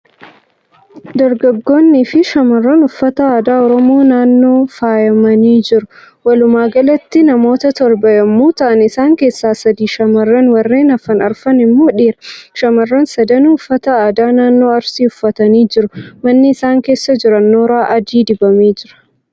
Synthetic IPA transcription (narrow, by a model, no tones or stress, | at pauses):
d̪ɐɾɡɐɡːo̞ːnːiːfɪʃɐmɐrːɐnʊfːɐt̪ɐaːd̪aːɔɾɔmoːnaːnːo̞ːfaːjɐmɐniːd͡ʒɪɾʊ | wɐlʊmaːɡɐlɐt̪ːɪnɐmo̞ːt̪ɐt̪ɔɾbɐjɐmːuːt̪ɐʔɐnɪsaːŋke̞ːsːaːsɐd̪iːʃɐmɐrːɐnwɐrːe̞ːnɐfɐnɐɾfɐnɪmːo̞ːᶑiːɾɐʃɐmɐrːɐnsɐd̪ɐnʊfːɐt̪ɐaːd̪aːnaːnːo̞ːɐɾsiːʊfːɐt̪ɐniːd͡ʒɪɾʊmɐnːɪːsaːŋke̞ːsːɐd͡ʒɪɾɐnːoːɾaːʔɐd͡ʒiːd̪ɪbɐmeːd͡ʒɪɾɐ̥